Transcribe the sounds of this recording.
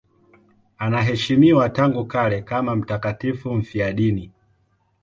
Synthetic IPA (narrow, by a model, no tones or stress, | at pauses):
anaɦɛʃimiwataŋɡukaɾɛkamam̩takatifum̩fiaɗini